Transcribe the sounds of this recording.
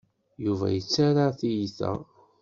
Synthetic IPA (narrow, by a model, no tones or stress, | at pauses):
juvæ̰jət͡sːaɾaθijiθæ̰